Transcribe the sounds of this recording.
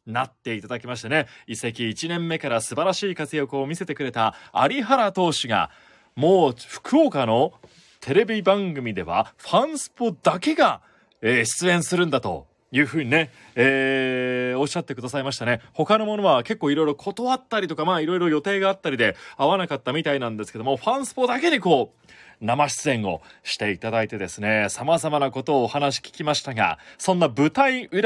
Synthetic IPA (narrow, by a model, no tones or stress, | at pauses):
nat̪ːe̞it̪ad̪akʲimaɕi̥t̪ane̞ise̞kʲiːt͡ɕinẽ̞mːe̞kaɾasɨbaɾaɕiːkat͡sɨjokoːmʲise̞t̪e̞kɯ̟ɾe̞t̪aa̰ɾʲiɦaɾat̪o̞ːɕiɡa̰ | mo̞ːɸɯ̟̥kʰɯokano̞ | t̪ʰe̞ɾe̞bʲibãŋɡɯ̟mʲid̪e̞̰β̞a̰ɸãɰ̃sɨ̥pod̪ake̞ɡa | eːɕi̥t͡sɨẽ̞ɰ̃sɨɾɯ̟̃nd̪at̪o̞̰ | jɯ̟ːɸɯ̟ːɲ̟ine̞ | eː | o̞ɕːat̪ːe̞kɯ̟d̪asaimaɕi̥t̪ane̞ho̞kano̞mo̞no̞βake̞kːoːiɾo̞jɾokʰo̞t̪o̞βat̪ːaɾʲit̪o̞kamaːiɾo̞iɾo̞jo̞t̪e̞ːɡaːt̪ːaɾʲid̪e̞aβanakat̪ːamʲit̪ainãnd̪e̞sɨ̥ke̞d̪omoɸãɰ̃sɨ̥po̞d̪ake̞ɲ̟iko̞ː | namaɕi̥t͡sɨẽ̞ŋ̃o̞ɕi̥t̪e̞it̪ad̪ait̪e̞d̪e̞sɨne̞samazamanako̞t̪o̞ːhanaɕi̥kʲi̥kʲimaɕi̥t̪aɡa̰sõ̞nːabɯ̟t̪aiɯ̟ɾ